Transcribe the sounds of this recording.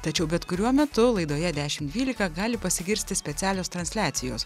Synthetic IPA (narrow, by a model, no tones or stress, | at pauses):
t̪ɐt͡ʃʲɛʊbʲɛt̪kʊɾʲuɔmʲɛt̪ʊlˠɐɪd̪oːjɛd̪ʲæːʃʲɪmd̪ʲʋʲiːlʲɪkɐɡɑːlʲɪpɐsʲɪɡʲɪɾʲsʲt̪ʲɪsʲpʲɛt̪sʲæːlʲoːst̪ɾɐnʲsʲlʲæːt̪sʲɪjoːs